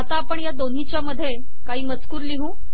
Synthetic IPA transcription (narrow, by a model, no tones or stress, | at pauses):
at̪aːpəɳjad̪on̤it͡ɕjaməd̪ʱːje | kaɦiːmət͡skuːɾliɦũː